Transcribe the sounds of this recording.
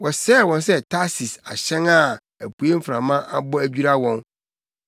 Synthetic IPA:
wɔ˨sɛ˦˨wɔ̃˨ns̬ɛ˦tʰa˦si˨sa̰˨ɕɛ̃˦ŋa˦˨ | æ˨pʰu˨e˦m̩˦fɾã˨mã˦ʔa̰˦bɔ˦æ˦d͡ʑᶣu˦ɾa˦wɔ̃˦n

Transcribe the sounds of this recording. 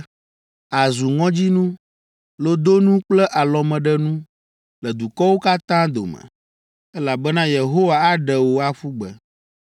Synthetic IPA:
a˨zu˨ŋɔ̃˦d͡ʑi˦nũ˦ | lo˦d̪o˦nũ˦k͡plɛ˦ʔa˨lɔ˨mɛ̃˨ɖɛ˦nũ˦ | lɛ˨d̪u˨kɔ˦wo˦ka˦t̪ã˦d̪o̰˨mɛ̰̃˨ | ɛ˦la˨bɛ˦nã˦je˨ɦo˦wa˨a˦ɖɛ˨wo˨a˦fu˦ɡ͡bɛ˨

